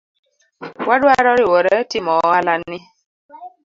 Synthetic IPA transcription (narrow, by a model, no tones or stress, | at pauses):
wadwaɾɔɾiwɔɾətɪmɔwalanːɪ